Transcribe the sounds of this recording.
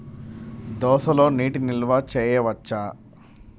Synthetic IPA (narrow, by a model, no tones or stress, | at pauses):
d̪ɔːsɐlo̞ːniːʈinilʋat͡ʃɛːjɐʋɐt͡ʃːaː